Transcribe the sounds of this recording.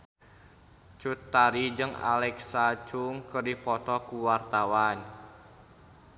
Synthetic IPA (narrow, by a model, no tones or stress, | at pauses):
t͡ʃut̪ːaɾid͡ʒəŋa̰lɛksat͡ʃuŋkərdipɔt̪ɔkuwart̪awan